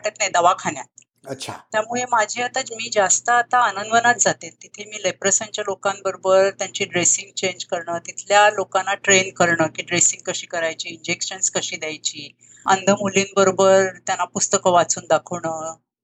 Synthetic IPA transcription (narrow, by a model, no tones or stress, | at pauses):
ʈat̪najd̪əʋakʰanjat̪̚ | əɕʰa̰t̪jamuɭemad͡ʑʱiːat̪at͡smiːd͡zast̪əːt̪aːnənd̪ənat̪̚d͡zat̪ent̪it̪ʰemiːləjpɾəsaɲt͡ɕjalokãnbəɾobəɾt̪jaɲt͡ɕiːɖɾesiŋɡ̚t͡ɕeɲd͡ʑkəɾɳəːt̪it̪ʰljalokanːaʈɾenkəɾɳəkiːɖɾesĩŋɡ̚kəɕiːkəɾajt͡ɕiːɲd͡ʑekɕənskəɕiːd̪jajt͡ɕiː | ənd̪ʱəmuliːnbəɾobəɾt̪janːapust̪əkəʋat͡suːnd̪akʰəʋɳə